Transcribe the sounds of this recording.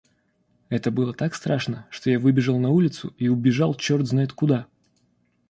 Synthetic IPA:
ɛt̪əbɨlˠət̪akst̪ɾaʂnəʂt̪o̞javɨbʲɪʐəlˠnɐulʲɪt̪sʊiʊbʲɪʐalˠt͡ɕo̞rtd̪znajɪt̪kʊd̪a

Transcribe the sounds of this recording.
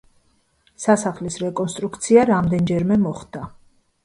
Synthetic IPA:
sasaχlisɾɛkʼɔnst̪ʼɾukʰt̪sʰiaɾamd̪ɛnd͡ʒɛɾmɛmɔχd̪̥a

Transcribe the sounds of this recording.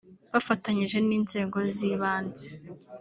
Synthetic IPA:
βafataɲiʒe̞niːnze̞ːɡo̞ziːβaːnze

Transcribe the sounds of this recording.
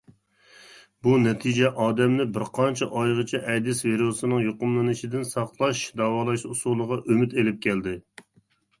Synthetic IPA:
bunɛt̪ʰid͡ʒɛʔɑːd̪ɛmnɪbɪɾqʰɑnt͡ʃʰɛʔɑjʁət͡ʃʰɛʔɛd̪ɪsviɾosɨnɨŋjoqʊmlˠɨnɨʃid̪ɪnsɑχlˠɑʃd̪ɑːwɑːlˠɑʃusulˠəʁɑʔømɪt̪elɪp̚kʲɛld̪ɪ

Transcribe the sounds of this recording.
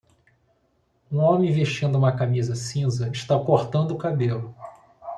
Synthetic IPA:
ũõmẽj̃veʃt͡ʃĩnd̪ʊũmɐkamizɐsĩzɐɪʃt̪akoɾt̪ɐ̃nd̪ʊːkabelʊ

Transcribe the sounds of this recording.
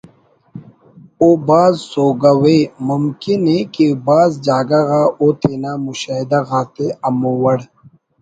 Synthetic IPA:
obaːzsoːɡɐwemʊmkinekibaːzd͡ʒaːɡaɣaʔot̪ʰeːnaːmʊʃaːɦɪd̪aɣaːt̪eɐmowɐɽ

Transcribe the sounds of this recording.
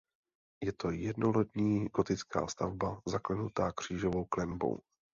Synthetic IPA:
jɛt̪o̞jɛdnolɛt̪ɲiːɡo̞t̪ɪt͡ska̰ːst̪avbazaklɛnut̪aːkr̝̥iːʒo̞vo̞wklɛnbo̞̰w

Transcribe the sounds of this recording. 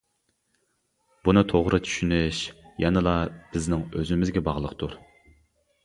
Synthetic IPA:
b̥unɨt̪ʰoʁɾɨt͡ʃʰy̥ʃynɪʃjɑnɨlˠɑb̥ɪznɪŋøzɪmɪzɡʲɛbɑʁlˠəqt̪ʰuɾ

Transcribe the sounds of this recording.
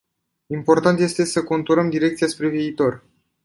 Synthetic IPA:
impo̞rt̪ant̪je̞st̪e̞səko̞nt̪uɾəmd̪iɾekt̪sijaspɾe̞viːt̪o̞r

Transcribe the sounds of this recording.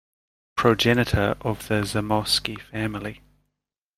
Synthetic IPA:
pʰɹ̥əd͡ʒɛnətʰəɹʔəvðəzəmɒskifæmli

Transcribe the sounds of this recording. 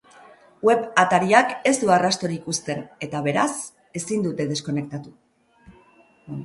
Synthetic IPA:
we̞βat̪aɾiake̞zd̪uarast̪o̞ɾikust̪e̞ne̞t̪aβ̞e̞ɾas | e̞sind̪ut̪e̞ð̞e̞sko̞ne̞k̚t̪at̪u

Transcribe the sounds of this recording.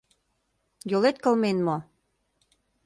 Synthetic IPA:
jolet̪kɤ̆lmenmo

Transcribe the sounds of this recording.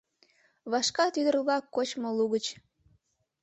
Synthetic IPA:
βɑʃkɑt̪yd̪ərβlɑkːot͡ɕmoluɣət͡ɕ

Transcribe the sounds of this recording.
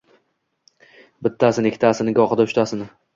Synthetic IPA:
bɪt̪ʰːasɪnekʰʲɪt̪ʰasɪnɪɡɒχɨd̪aʊʃt̪ʰasɪnɪ

